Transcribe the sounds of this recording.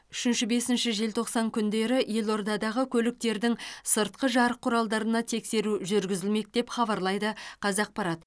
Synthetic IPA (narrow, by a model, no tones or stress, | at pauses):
ʏʃɪnʃɪbe̞sɪnʃɪʒe̞lt̪ʰo̞qsɑŋkʲʰʏnd̪e̞ɾɪje̞lˠo̞ɾd̪ɑd̪ɑʁəkʲʰɵlɪk̚t̪e̞ɾd̪ɪŋsəɾt̪̚qəʒɑɾəqʰːʊɾɑlˠd̪ɑɾənɑt̪ʰe̞kse̞ɾuʒʏɾɡʲɪzɪlme̞k̚d̪̥e̞pχɑbɑɾlˠɑjd̪əqʰɑzɑq̚pɑɾɑt̪